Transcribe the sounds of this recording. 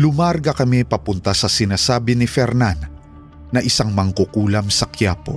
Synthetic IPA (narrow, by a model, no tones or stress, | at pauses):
lʊmaɾɡɐkɐmipɐpʊnt̪asɐsɪnaːsaːbɪnɪfɛɾnanː | ɐʔɪsaŋmɐŋkʊkuːlɐmsɐkjaːpo̰